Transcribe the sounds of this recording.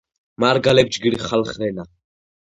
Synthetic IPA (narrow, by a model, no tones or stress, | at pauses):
maɾɡalɛb̚d͡ʒɡiɾiχalχɾɛna